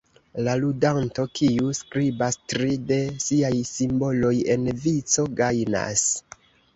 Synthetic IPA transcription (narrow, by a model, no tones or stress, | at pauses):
laludanto̞kiuskɾibastɾide̞siajsimbo̞lo̞je̞nvit͡so̞ɡajna̰s